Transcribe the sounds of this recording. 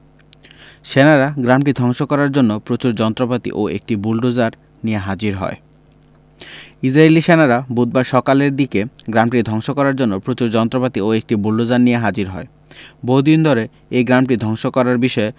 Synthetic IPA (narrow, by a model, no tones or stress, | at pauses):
ʃenaɾaɡɾamʈid̪ʱɔŋʃokɔɾaɾd͡ʑonːopɾot͡ɕuɾd͡ʑɔnt̪ɾopat̪ḭʔoḛk̚ʈibulɖod͡ʑaɾ | nijeɦad͡ʑiɾɦɔ̰e | id͡ʑɾaeliʃenaɾabud̪̚baɾʃɔkaleɾd̪ikeɡɾamʈid̪ʱɔŋʃokɔɾaɾd͡ʑonːopɾot͡ɕuɾd͡ʑɔnt̪ɾopat̪ioek̚ʈibulɖod͡ʑaɾnijeɦad͡ʑiɾɦɔ̰e | boɦud̪ind̪ʱoɾe | ejɡɾamʈid̪ʱɔŋʃokɔɾaɾbiʃɔe